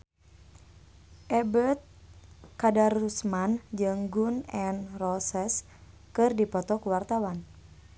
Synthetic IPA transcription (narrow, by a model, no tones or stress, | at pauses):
ʔɛbət̪̚kadarusmand͡ʒɨŋɡunɛnrɔsɛs | kɨrdipɔt̪ɔkuwart̪awan